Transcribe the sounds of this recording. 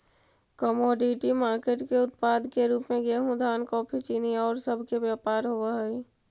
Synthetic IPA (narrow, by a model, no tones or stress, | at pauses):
kəmoːɖiʈimaːɾkeʈkeʊt̪paːd̪keɾuːpmẽɡeɦũd̪ʱaːnkɔːpʰit͡ʃiːniɔːɾsəbʱkeʋjaːpaːɾɦoaɦi